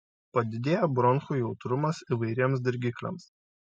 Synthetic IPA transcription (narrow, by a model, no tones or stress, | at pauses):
pɐd̪ʲɪd̪ʲeːjobɾɔnxuːjɛʊt̪ɾʊmɐsiʋɐɪɾʲiɛms̬d̪ʲɪɾʲɡʲiklʲḛˑms